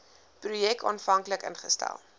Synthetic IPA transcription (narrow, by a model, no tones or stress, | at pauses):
prujɛk̚tɑːnfɐŋkləkə̰nχəstæ̰lˠ